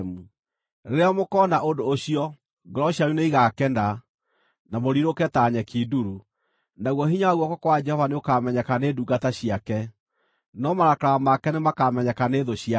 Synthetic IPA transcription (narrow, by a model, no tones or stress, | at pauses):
mu | eɾeamokɔnaʔondoːɕiɔ | ɡɔɾɔɕaɾuneiɣakɛnda | namoɾiɾokɛtaɲɛkiduɾu | naɣwɔhiɲaaɣwɔkɔkwad͡ʒɛhɔvaneokamɛɲɛkaneːduːɡataɕiakɛ | nɔmaɾakɾamakɛnemakamɛɲɛkaneðoɕia